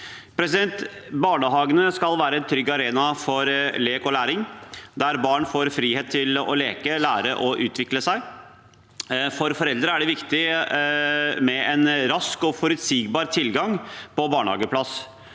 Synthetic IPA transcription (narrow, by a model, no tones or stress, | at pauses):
pʰɾɛsɪd̪ɛnt̪ | bɑːɳəɦɑːɡənəskɑlʋæːɾəɛnt̪ʰɾʏɡːɑɾeːnɑfɔɾleːkɔlæːɾɪŋd̪æɾbɑːɳfoːɾfɾiːheːt̪ʰːɪlɔ̰leːkəlæːɾəʔɔʔʉːt̪ʋɪkləsæɪ | fɔɾfɔɾɛld̪ɾəæɖɛʋɪkt̪ɪ | mɛɛnɾɑskɔfɔɾʉt̪siːɡbɑːɾt̪ʰɪlɡɑŋpɔbɑːɳhɑ̰ːɡəpʰlɑs